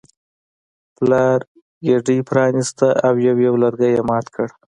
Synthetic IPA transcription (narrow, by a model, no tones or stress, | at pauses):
plɑɾ | ɡeɖipɾɑnist̪aʔawjawjawlaɾɡajemɑt̪kʰəɽ